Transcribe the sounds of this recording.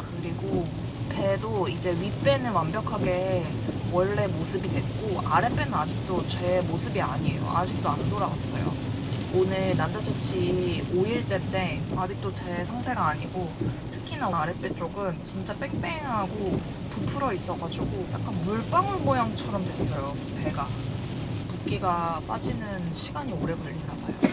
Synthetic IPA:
kɯɾiɡo | pe̞doid͡ʑe̞ɥip͈e̞nɯɭwambjʌkʰaɡe̞ | wʌɭːe̞mosʰɯbidwe̞t̚k͈oaɾep͈e̞nɯnad͡ʑik̚t͈ot͡ɕe̞mosʰɯbiaɲiejo̰a̰d͡ʑik̚t͈oanɯntoɾawas͈ʌ̰jo̰ | onɯɭnand͡ʑad͡ʑʰot͡ɕʰioiɭt͡ɕ͈et͈e̞ad͡ʑik̚t͈ot͡ɕe̞sʰaŋtʰe̞ɡaːɲiɡotʰɯ̥kʰinaaɾep͈et͡ɕ͈oɡɯnt͡ɕint͡ɕ͈apeŋp͈ʰeŋɦaɡo | pupʰɯɾʌis͈ʌɡad͡ʑuɡoja̰k͈̚anmuɭp͈aŋɯɭmojaŋt͡ɕʰʌɾʌmdwe̞s͈ʌjo | pe̞ɡa | puk͈iɡap͈ad͡ʑinɯnɕʰiɡaɲioɾe̞ɡʌʎːinabajo

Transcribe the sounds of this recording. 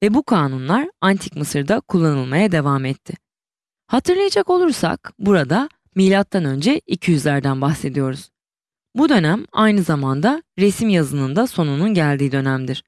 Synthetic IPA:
vɛbukʰaːnunlˠaɾant̪ʰi̥kmɯsɯɾd̪akʰulˠːanɯlˠmajad̪e̞vamɛt̪ʰːɪ | hat̪ʰɯɾlˠajad͡ʒako̞lˠuɾsa̰kbuɾad̪a | milʲat̪ːanø̞nd͡ʒɛicʰijyzlʲæɾd̪ænbaxse̞d̪ijo̞ɾuz̥ | bud̪ø̞næmajnɯzamand̪aɾesimjazɯnɯnd̪aso̞nununɟælʲd̪iːd̪ø̞næmd̪iɾ̥

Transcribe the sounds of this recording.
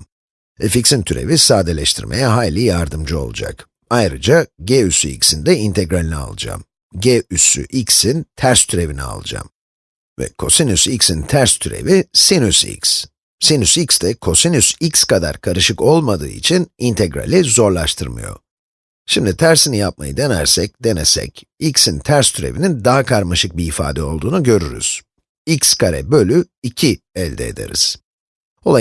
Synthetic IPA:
eficsint̪ʰyɾe̞̰visaːd̪elʲɛʃt̪ʰiɾme̞̰jɛɦaːlʲijaɾd̪ɯmd͡ʒɯo̞̰lˠṵd͡ʒa̰k | ajɾɯd͡ʒaɟeysyḭcsind̪ɛint̪ʰeɡɾalʲinɛa̰lˠɯ̰d͡ʒa̰ːm | ɟeysy̰ʔiksint̪ʰæɾst̪ʰyɾe̞vinia̰lˠɯ̰d͡ʒa̰m | vɛ̰kʰo̞sinysiksint̪ʰæɾst̪ʰyɾḛvisinysḭks | sinysiksd̪ɛkʰo̞sinysikskad̪a̰ɾkʰaɾɯʃɯko̞lˠmad̪ɯ̰ːḭt͡ʃʰinint̪ʰeɡɾa̰lʲizo̞ɾlˠaʃt̪ʰɯɾmɯ̰jo̞̰ | ʃimd̪it̪ʰæɾsinijap̚ma̰jɯd̪e̞næ̰ɾsɛc̚d̪e̞nɛsɛ̰c | icsint̪ʰæɾst̪ʰyɾe̞̰vinind̪aɦakʰaɾmaʃɯk̚biːfa̰ːd̪ɛo̞lˠd̪uːnuɟø̞ɾyɾy̰z̥ | icskʰaɾɛ̰bø̞lʲy | icʰi | ɛlʲd̪ɛed̪e̞̰ɾḭz̥ | o̞lˠa

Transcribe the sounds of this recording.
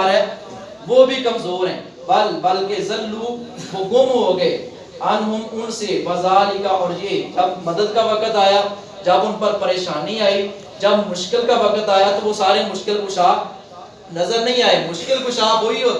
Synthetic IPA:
ɾɦɛː | ʋoːbʱikɐmzoːɾɦɛ̰̃ː | bɐlbɐlkezɐlːuːboɡʊmɦoɡɐeː | ɐnɦʊmʊnseʋɐzaːlɪkaɔːɾjed͡ʒɐbmɐd̪əd̪̚kaʋɐkət̪aːjaː | d͡ʒɐbʊnpəɾpəɾeːʃaːnɦiaːi | d͡ʒɐbmʊʃkɪlkaʋɐkət̪aːjat̪oʋosaːɾemʊʃkɪlkʊʃaː | nɐzəɾnɐɦĩaːeːmʊʃkɪlkʊʃãːʋoɦiɦoːt̪ː

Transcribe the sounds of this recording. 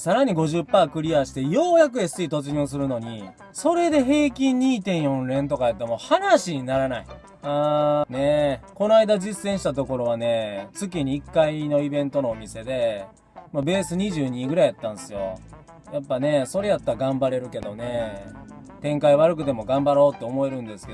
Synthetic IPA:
saɾaɲ̟iɡo̞ʑɨpːaːkɯ̟ɾʲiaɕi̥t̪e̞jo̞ːjak̬ɯ̟esɨit̪o̞t͡sɨɲʲõːs̬ɨɾɯ̟no̞ɲ̟i | so̞ɾe̞d̪e̞ɦe̞ːkʲĩɲɲːiːt̪ẽ̞ɰ̃jõ̞nɾẽ̞nt̪o̞kajat̪ːemo̞hanaɕiɲinaɾanai | aːne̞ko̞noaid̪ad͡ʑisẽɕi̥t̪at̪o̞ko̞ɾo̞βane̞t͡sɨkʲiɲ̟iːkːaino̞ibẽ̞nt̪o̞no̞ːmʲise̞d̪e̞ | mabe̞ːsɨɲ̟iʑɨːɲ̟iɡɯ̟ɾaiat̪ːãñesɨjo̞̰ | japːane̞so̞ɾe̞jat̪ːaɾaɡãmbaɾe̞ɾɯ̟ke̞d̪o̞ne̞ | t̪ẽ̞ŋkaiβaɾɯ̟kɯ̟t̪e̞mo̞ɡãmbaɾo̞ːt̪ːe̞omo̞e̞ɾɯ̟̃nd̪esɨ̥keo

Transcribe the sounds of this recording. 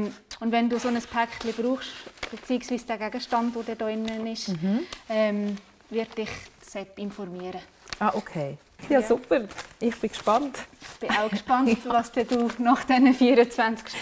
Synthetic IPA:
ʊndvɛnduːsonəspʰɛkχtlib̥ɾuːχʃb̥et͡siːɪksv̥iːsd̥æɡæɡəʃtɑndʋodɛːdɔːɪnːənɪʃ | ɛːm | vɪɾdd̥ɪχsɛtɪnfɔɾmiəɾə | ʔɑːʔokʰeː | jɑsupəɾʔɪχb̥ɪkʃpɑntɪχb̥ɪaʊkʃpɑntlɑsd̥ɛd̥uːnɑχd̥ɛnəfiːəɾət͡svænt͡skʃ

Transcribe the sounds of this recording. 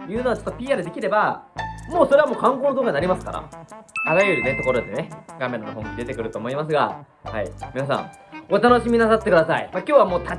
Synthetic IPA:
jɯːno̞at͡ɕo̞t̪ːopʲiːaːɾɯd̪e̞kʲiɾe̞bamo̞ːsoɾe̞βamoːkãŋkoːnod̪oːkaɲinaɾimasɨ̥ka̰ɾa̰aɾajɯɾinet̪o̞koɾod̪esneɡame̞ɾanoɦõŋʲid̪e̞t̪e̞kɯ̟ɾɯ̟t̪oːmo̞imas̬ɨɡa̰ | ha̰imʲinas̬ã̰ŋ | o̞t̪ano̞ɕimʲinasat̪ːe̞kɯ̟d̪asaḭmakʲoːβamoːt̪ʰa

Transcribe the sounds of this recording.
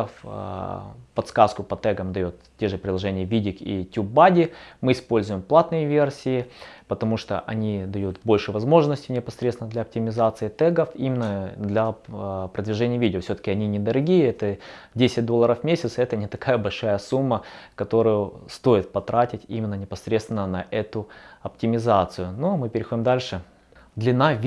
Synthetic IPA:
f | pɐt̪skaskʊpɐt̪ɛɡəmd̪ɐjot̪tʲːeʐɨpɾʲɪd̪lˠɐʐɛnʲɪjəvʲidʲɪkḭtʲubːadʲɪmɨɪspo̞lʲzʊjɪmplˠat̪nɨjəvʲe̞rsʲɪɪpət̪ɐmuʂt̪o̰ʔɐnʲid̪ɐjut̪bo̞lʲʂɨvɐzmo̞ʐnəsʲtʲɪnʲɪpɐsɾʲet̪t̪ɪnəd̪lʲɐɐp̚tʲɪmʲɪzat̪sɨɪt̪ɛɡəfimʲɪnːəd̪lʲɐpɾəd̪vʲɪʐɛnʲɪjəvʲidʲɪoəfsʲot̪ə̥kʲɪɐnʲinʲɪd̪əɾɐɡʲijəɛt̪ədʲesʲɪt̚ʲd̪oəɾəfmʲesʲɪt̪sɛt̪ənʲɪt̪ɐkajəbɐlʲʂajəsumːəkɐt̪o̞ɾʊjʊst̪o̞jɪt̪̚pɐt̪ɾatʲɪtʲḭmʲɪnːənʲɪpɐsɾʲet̪st̪ʲɪnənɐʔɛt̪ʊɐp̚tʲɪmʲɪzat̪sɨjʊnomɨpʲɪɾʲɪxo̞dʲɪmd̪alʲʂɨ | d̪lʲɪnavʲ

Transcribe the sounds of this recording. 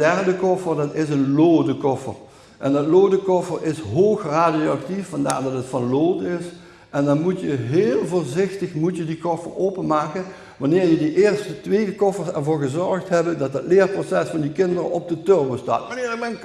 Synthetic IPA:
dɛrdəkɔfərdɑtɪsənloːdəkɔfə̰r | ʔɛndɑtloːdəkɔfərɪsɦoːxraːdijoɑktiffɑnda̰ːɹdɑtətfɑnloːdəɪs | ʔɛndɑnmutjəɦeːlˠvoːɹzɪxtəxmutjədikɔfəroːpənmaːkən | ʋanɪːɹjədiʔɪːrstətʋeːdəkɔfəɹsɛɹvoːɹɣəzɔɹxtɦɛbədɑt̚dɑtlɪːrprosɛsfɑndikɪndərə̰ʔɔb̚dətørbəsta̰ːtnː

